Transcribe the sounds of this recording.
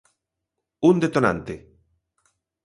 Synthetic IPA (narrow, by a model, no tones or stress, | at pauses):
und̪et̪onã̰nt̪e